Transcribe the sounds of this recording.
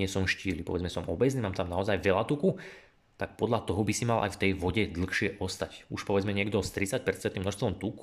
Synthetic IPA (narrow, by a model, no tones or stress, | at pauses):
ɪɛsɔmʃciːlipɔ̰ʋɛd͡zmɛsɔmʔɔbɛzniːmaːmt̪amnaɔzajʋɛlat̪uku | t̪ak̚pɔd̪ʎat̪ɔɦɔbisimalʔa̰jft̪ɛjʋɔɟɛd̪l̩xʃɪɛʔɔst̪acuʃpɔʋɛd͡zmɛɲɪɛɡd̪ɔst̪ɾit͡sac̚pɛɾt͡sɛnt̪imnɔʃst̪ʋɔmt̪uk